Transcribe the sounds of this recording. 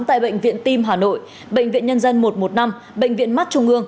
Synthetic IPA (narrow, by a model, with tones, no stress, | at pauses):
mt̪a̰ː˧˨jɓə̰˧˨jŋ̟vḭ˧˨ənt̪i˧mɦaː˨˩no̰˧˨j | ɓə̰˧˨jŋ̟vḭ˧˨ənɲə˧nzə˧nmo˨˩t̚mo˨˩t̚na˧m | ɓə̰˧˨jŋ̟vḭ˧˨ənma˦˥t̚t͡ɕʊ˧ŋ͡mʔɨ˧əŋ